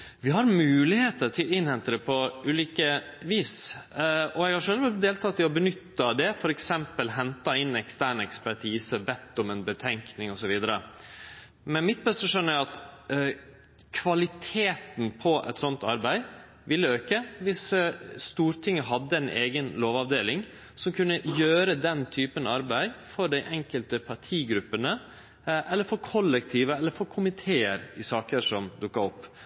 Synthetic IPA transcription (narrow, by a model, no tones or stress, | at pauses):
ʋɪɦɑɾmʉːlɪheːt̪əɾtʰɪlɪnhɛnt̪əɾəpʰɔʉːliːkə | ʋiːs | ɔɛɡhɑʂɛlʋəd̪eːlt̪ʰɑt̪ːɪɔbənʏt̪ːəd̪ɛfɔɾɛksɛmpəlɦɛnt̪ɑɪnːɛkst̪æːɳɛkspæʈʰiːsəbɛt̪ːɔmɛnbət̪ʰɛŋknɪŋɔsɔʋiːd̪əɾə̰ | mɛnmɪt̪̚bɛst̪əʂœnːəæɑt̪ | kʰʋɑlɪt̪ʰeːt̪n̩pʰɔʔɛ̰t̪sɔnt̪ɑɾbæɪ | ʋɪlːəøːkəʋɪsst̪uːɾt̪ʰɪŋːəɦɑd̪ːəɛnʔeːɡənloːʋɑʋd̪eːlɪŋ | sɔmkʰʉnːəjøːɾəd̪ɛnt̪ʰyːpənɑɾbæɪfɔɖæɪʔɛŋkəlt̪əpʰɑʈʰiːɡɾʉpːənə | ʔɛlːəɾfɔɾkʰɔlːɛkt̪ʰiːʋəɛlːəɾfɔɾkʰʊmɪt̪ʰeːəɾɪsɑːkəʂɔmd̪ʊkːɑɾɔpː